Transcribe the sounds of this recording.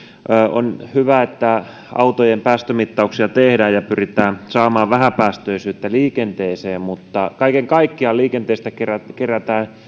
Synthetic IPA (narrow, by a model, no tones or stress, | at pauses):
ʔøːo̰nhyʋæet̪ːæ | ɑ̰ut̪ojempæːst̪ømit̪ːɑuksiɑt̪ehdæːjɑpyrit̪æːnsɑːmɑːʋʋæhæpæːst̪øisyːt̪ːæliːkent̪eːseːmmut̪ːɑkɑikeŋkɑikːiɑliːkent̪eˑːst̪ækerækeræt̪æː